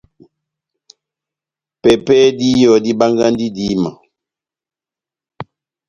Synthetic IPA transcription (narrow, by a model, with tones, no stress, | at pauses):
pɛ˨pɛ˦di˦jɔ˨di˦ba˦ŋɡa˦n˦di˦di˦ma˨